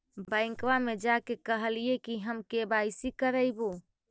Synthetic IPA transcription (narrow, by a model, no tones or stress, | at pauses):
bə̃ɪ̃ŋkʋamed͡ʒakekəɦəlijekiɦəmkebajsikəɾəɪbo